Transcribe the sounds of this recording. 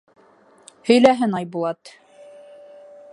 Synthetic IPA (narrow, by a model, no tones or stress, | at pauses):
hɵ̆jlæɦɘnɑjbulˠɑt̪